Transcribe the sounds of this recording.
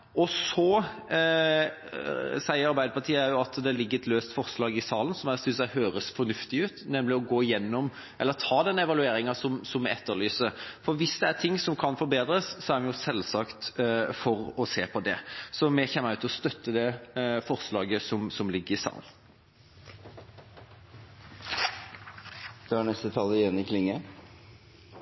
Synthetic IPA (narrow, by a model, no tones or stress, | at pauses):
ɔsɔ | sæɪəɾɑɾbæɪd̪əpʰɑt̪ʰiːəjʊɑt̪d̪ɛælɪɡːəɾɛt̪løːst̪fɔɾslɑːɡɪsɑːlən̩sɔmæsɪsæɪhøːɾəsfɔɾnʉft̪ɪʉːt̪nɛmlɪɔɡoːɪjɛnːɔm | ʔɛlːət̪ʰɑːd̪ɛnːəɛʋɑlʉeːɾɪŋɑsɔmsɔmːɛɛt̪ːəlyːsəfɔɾʋɪsd̪ɛæt̪ʰɪŋːsɔmkʰɑnfɔɾbeːd̪ɾəssɔæɾmɛjʊsɛlsɑkt̪fɔɾɔseːpʰɔd̪ɛsɔmɛçɛmːəʉːt̪ɔst̪œt̪ːəd̪ɛfɔʁslɑːɡəsɔmsɔmlɪɡːəɾɪsɑ̰ːn | d̪̥ɛɑɳɛst̪ət̪ʰɑlːəjɛnɪkʰlɪŋːə